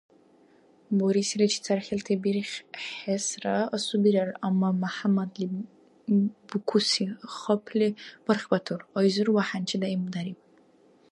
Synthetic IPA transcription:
boɾisilat͡ʃʰi̥t͡sʰarχʲeltʰebirχʲħesraasubiɾaramːamaħamadli | bukʷʰusiχɔpʰlib̥arχbatʰurajzɨrwaħant͡ʃʰɪdaimdaɾipʼ

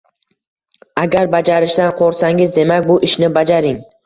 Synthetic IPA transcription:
aɡʲaɾbad͡ʒaɾɪʃd̪anqʰoɾsaŋɪzd̪e̞makʲbʊʔɪʃnɪbad͡ʒaɾɪŋ

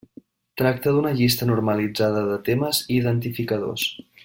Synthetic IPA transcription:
t̪ɾak̚t̪əðunəʎist̪ənuɾməlid͡zaðəðət̪eməziðənt̪ifikəðo̰s

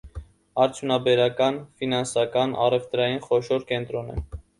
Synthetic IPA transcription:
ɑɾt͡sʰjunɑbɛɾɑkɑnfinɑnsɑkɑnɑ̰rɛvt̪ɾɑjinχɔʃɔɾkɛnt̪ɾɔnɛ̰

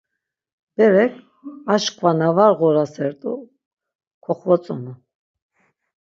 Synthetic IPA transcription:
b̥ɛɾɛkʰ | aʃkʼvanavaɾʁɔɾasɛɾt̪ʼu | kʰɔχvɔt͡sʼɔnu

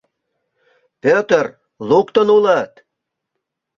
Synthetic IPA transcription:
pʲøt̪ər | lukt̪ənulɑt̪

